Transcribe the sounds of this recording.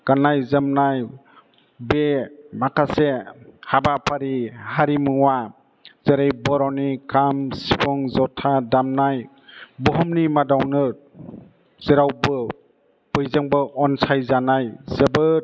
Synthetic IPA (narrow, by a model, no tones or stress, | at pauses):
ɡ̥anajzɯmnaj | bemakʰasehabapʰaɾihaɾimɯŋwa | z̥eɾejbɔɾɔwnikamsipʰɔŋzɔtʰadamnaj | bɔɦɔmnimadawnɯɾ | z̥eɾawbɯ | b̥ɯjzaŋbɯʔɔnsajzanajzəbɯ